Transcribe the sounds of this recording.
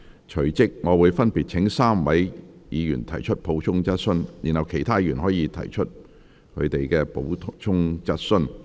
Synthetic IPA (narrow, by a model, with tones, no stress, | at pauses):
t͡ʃʰɵ˨˩t͡sɪ˥k̚ŋɔː˨˧wuː˨˧jfɐ˥npi˨t̚t͡ʃʰɪ˨˥ŋsaː˥mwɐ˨˥jjiː˨˧jy̰ː˨˩nt̪ʰɐ˨˩jt͡ʃʰɵ˥t̚pʰo˨˥wt͡ʃʰʊ˥ŋt͡sɐ˥t̚sɵ˥njiː˨˩nhɐ˨wkʰe˨˩jt̪ʰaː˥jyː˨˩nɦɔː˨˥jiː˨˧t̪ʰɐ̰˨˩jt͡ʃʰɵ˥t̚ | kʰɵ̰˨˧ɥt̪e˨jkɛː˧po˨˥wt͡ʃʰʊ˥ŋt͡sɐ˥t̚sɵ˥n